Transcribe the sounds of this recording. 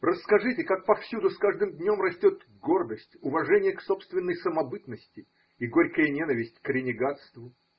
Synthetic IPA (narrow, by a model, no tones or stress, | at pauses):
rəsːkɐʐɨtʲɪkak̚pɐfsʲud̪ʊskaʐd̪ɨmd̪ʲnʲo̞mrɐsʲtʲo̞t̪ | ɡo̞rd̪əsʲtʲʊvɐʐɛnʲɪjəksopst̪vʲɪnːəjsəmɐbɨt̪nəsʲtʲɪ | iɡo̞ɾʲkəjənʲenəvʲɪsʲtʲkɾʲɪnʲɪɡat̪st̪vʊ